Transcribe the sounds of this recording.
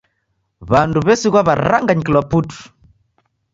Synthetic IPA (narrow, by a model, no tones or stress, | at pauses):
βanduβɛsiɣwaβaɾaŋɡaɲikilwaputu̥